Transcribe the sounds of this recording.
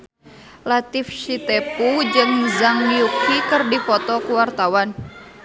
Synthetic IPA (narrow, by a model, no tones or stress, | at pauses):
lat̪ifʃit̪ɛpud͡ʒɨŋzaŋjukikɨrdifɔt̪ɔkuwart̪awan